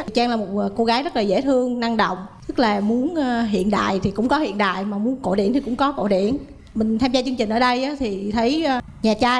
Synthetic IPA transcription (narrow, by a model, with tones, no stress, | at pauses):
t͡ɕaː˧ŋlaː˨˩mo˨˩t̚ːko˧ɣaː˨˦jzə˦˥t̚laː˨˩zḛ˧˥t̪ʰɨ˧əŋna˧ŋɗə̰˧˨wŋ͡mt̪ɨ˦˥k̚laː˨˩mu˨˦ənː˧ɦḭ˧˨ənɗa̰ː˧˨jt̪ʰi˨˩kʊ̰˧˥ŋ͡mkɔ˨˦hḭ˧˨ənɗa̰ː˧˨jmaː˨˩mu˨˦ənko̰˧˨ɗḭ˧˩ənt̪ʰi˨˩kʊ̰˧˥ŋ͡mkɔ˨˦ko̰˧˨ɗḭ˧˩˨ən | mï˨˩ŋ̟t̪ʰaː˧mzaː˧t͡ɕɨ˧ŋt͡ɕï̟˨˩ʔːɗə˧jʔaː˨˦t̪ʰi˨˩t̪ʰə˨˦j | ɲaː˨˩t͡ɕaː˧